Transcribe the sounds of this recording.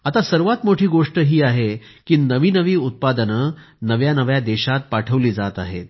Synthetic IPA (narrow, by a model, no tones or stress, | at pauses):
at̪asəɾʋat̪moʈʰiːɡoʂʈəɦiːaɦe | kiːnəʋiːnəʋiːut̪̚pad̪ənə | nəʋjanəʋjad̪ɛɕat̪̚paʈʰəʋliːd͡zat̪a̰ɦḛt̪̚